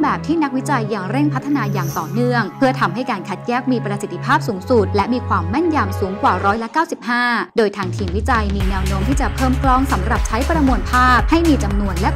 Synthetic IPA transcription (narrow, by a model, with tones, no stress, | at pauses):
mbɛː˨˩p̚t̪ʰiː˥˩na˦˥k̚wi˦˥t͡ɕa˧jːa˨˩ŋɾe˥˩ŋpʰa˦˥t̪ʰːa˧naː˧jaː˨˩ŋt̪ɔː˨˩nɯ˥˩əŋpʰɯ˥˩ət̪ʰa˧mɦa˥˩jkaː˧nkʰa˨˩t̪̚jɛː˥˩k̚miː˧pɾa˧si˨˩t̪ʰːi˧pʰaː˥˩p̚suː˩˦ŋsu˨˩t̪̚lɛ˦˥miː˧kʰwaː˧mːa˥˩nja˧msuː˩˦ŋkwaː˨˩ɾɔː˦˥jla˦˥kaː˥˩wsi˨˩p̚haː˥˩doː˧jt̪ʰaː˧ŋt̪ʰiː˧ŋwi˦˥t͡ɕa˧jmiː˧nɛː˧wnoː˦˥mt̪ʰiː˥˩t͡ɕa˨˩pʰɤː˥˩mklɔː˥˩ŋsa˩˦mɾa˨˩p̚t͡ɕʰa˦˥jpɾa˧mu˧ənpʰaː˥˩p̚ha˥˩jmiː˧t͡ɕa˧mnu˧ənlɛ˦˥